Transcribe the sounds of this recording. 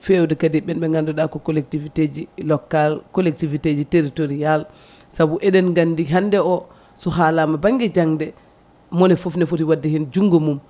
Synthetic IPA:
fɛwdɛkadiɓɛnɓɛŋɡandɔɗakɔkɔlɛk̚tivited͡ʒilɔkːalkɔlɛk̚tivited͡ʒiteɾitoɾijal | sabuʔɛɗɛnɡandiɦandɛɔ | sɔɦalamabaŋɡid͡ʒaŋdɛ | mɔnɛfofnɛfutiwadːɛhind͡ʒuŋɡomum

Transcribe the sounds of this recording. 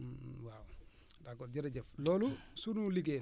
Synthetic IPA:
waw | dakːɔɾɟiɾeɟɛflɔːlusunuliɡe

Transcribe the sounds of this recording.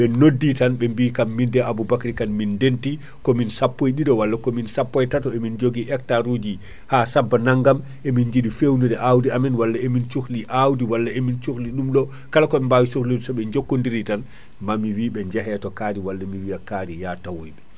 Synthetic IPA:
ɓɛnodːitanɓɛmbiːkamːindɛʔabubakɾikanmindenti | kɔminsapːojɗidɔwalːakɔminsapːɔjtatɔemind͡ʒoɡiʔɛk̚taɾud͡ʒi | haːsabːanaŋɡam | ʔemind͡ʒiɗifewnudɛʔawdiamɛnwalːaemint͡ʃuxliʔawdiwalːaemint͡ʃukliɗumɗɔ | kalakɔɛmbawisuklidsɔɓɛɲd͡ʒokːondiɾitan | mamiwiːɓɛɲd͡ʒɛɦɛjatɔkadiwalːamiwijakadijatawojɓɛ

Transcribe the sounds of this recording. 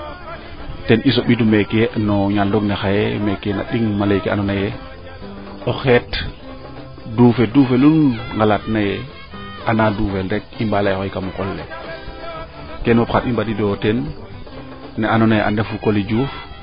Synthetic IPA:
tenʔisoɓitumekenoɲaldoɡnexajemekena̰ɗiŋmalajkea̰nonaje | oxet | dufeduːfelunŋɡalatnaje | ʔanadufelɾekimbalajxojkamukolːḛ | kenopxatimbadidoten | eanonajeʔa̰nefukolid͡ʒuf

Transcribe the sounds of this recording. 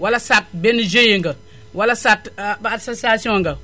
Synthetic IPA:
walasat̚bend͡ʒejiŋɡə | walasatbasosiasiõŋɡə

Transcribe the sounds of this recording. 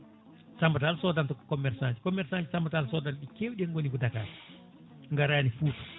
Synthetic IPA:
sambataalsɔdantɔkɔ̥kɔmːɛɾsaɲd͡ʒi̥kɔmːɛɾsaɲd͡ʒisambataalsɔdanɗikewɗɛŋɡonikudakaːɾ | ŋɡaɾajanifuːtu̥

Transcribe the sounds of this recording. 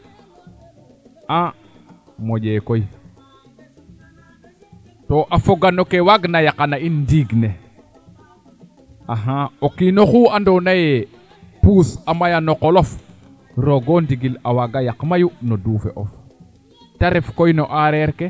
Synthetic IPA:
a | moɟekoj | toʔafoɡanokewaɡnajakanainːdiɡne | aɦaokinoxuandonaje | puːsamajanokolof | ɾoɡondiɡilawaɡajakmajunoduːfḛʔof | taɾefkojnoʔaɾeɾke

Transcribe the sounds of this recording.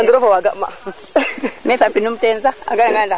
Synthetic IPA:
anduɾofowaɡama̰ | mesapinum̩tenzaa̰ɡanaŋɡanda

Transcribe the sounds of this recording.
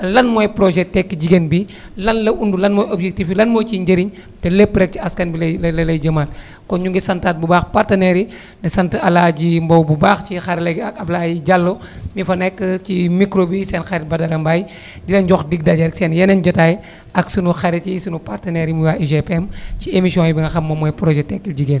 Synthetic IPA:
lɐnmojpɾoʒɛtːɛkːiɟiɡenbi | lɐnlɐʔundulɐnmɔjobʒek̚tifilɐnmɔjt͡ʃiɲɟəɾiɲ | telepːɾɛk̚t͡ʃiɐskɐnbilllɐlɐjɟɐmat̚ | kɔɲuŋɡisɐntaːt̚bubaxpaɾtɐnɛɾi | ndesɐntɐɐlaɟimbowbubaːxt͡ʃixaɾlɐɡɐblajiɟalːo | mifɐnɛkːt͡ʃimikɾobisɛnxaɾɛt̚bɐdɐɾɐmbaj | dilɐɲɟɔxdiɡ̚dɐɟɐɾksɛnjɛnɐnd͡ʒɐtaːj | ɐksunuxaɾɛtisunupartɐnɛɾimujaːiʒepɛmciemisiɔ̃ibiŋɡɐxɐmːɐmɔjpɾoʒɛtɛkːilɟiɡen

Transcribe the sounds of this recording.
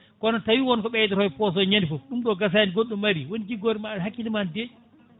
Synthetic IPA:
kɔnɔtawiwɔnkɔɓɛjtɛɾhɔjpɔs̬ɔɲandifɔfɗumɗɔɡas̬anɡoɗːumːaɾiwonid͡ʒiɡoɾɛmaɦakːilimande

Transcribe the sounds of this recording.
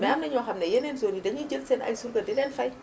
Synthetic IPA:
mɛamnəɲɔɦamnɛjənenzonidəɲid͡ʒəlsenʔa̰jsuɾɡədelɛnfaj

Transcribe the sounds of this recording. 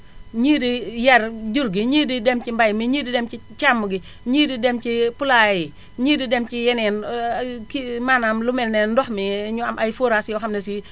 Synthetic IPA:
ɲiːdijarɟuɾɡiɲiːdidɛmt͡ʃimbajmiɲiːdidɛmt͡ʃit͡ʃamːuɡi | ɲiːdidɛmt͡ʃipulaji | ɲiːdidɛmt͡ʃijɛnɛnkimaːnamlumɛlnɛːndɔxmiɲuamʔajfoɾasjɔxamnɛsi

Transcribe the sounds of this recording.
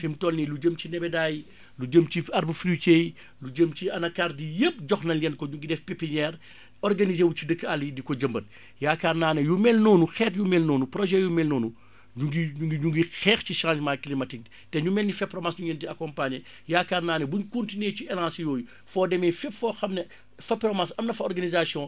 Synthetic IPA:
fimtɔlnilud͡ʒəmcinɛbɛdaːji | lud͡ʒəmciɐɾbəfɾit͡ʃeːj | luɟəmt͡ʃiɐnɐkaːrdijəp̚d͡ʒɔxnɐljɛnkɔɲuɡidɛfpepiɲɛːr | ɔrɡɐnizeːwucidəkːalidikɔɟəmbɐt̚ | jaːkaːrnaːnɛjumɛlnoːnuxɛːtjumɛlnoːnuprɔʒɛjumɛlnoːnu | uɡiɲuɡiɲuŋɡixɛːxciʃãːd͡ʒmaklimɐtik̚ | tɛɲumɛnːdifɛpɾɔmasɲuɲentiɐkɔmpaɲɛ | jaːkaːrnaːnɛbuɲkontineciɛlãːsjoːju | fɔːdɛmɛfipfɔːxɐmnɛ | fɐprɔmasɐmnɐfɐɔrɡɐnizasjɔ̃ː

